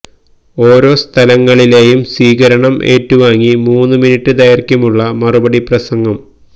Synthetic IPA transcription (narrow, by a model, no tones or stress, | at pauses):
o̞ːɾo̞ːst̪ʰɐlɐŋːɐɭile̞ːjumsʋiːɡɐɾɐɳɐmʔe̞̰ːtːuʋaːŋːimuːnːɨminiʈːɨd̪ɐjɐrkʲumuɭːɐmɐrubɐɽiprɐsɐŋɡɐm